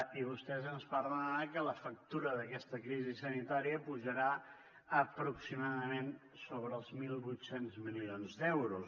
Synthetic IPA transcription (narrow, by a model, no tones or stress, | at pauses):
iβust̪ɛzənspaɾlaakələfək̚t̪uɾəðəkɛst̪əkɾizisənit̪aɾiəpuʒəɾa | əpɾuksimaðəmen | soβɾəːlˠzmilˠβujt̪senzmilionzd̪ɛwɾus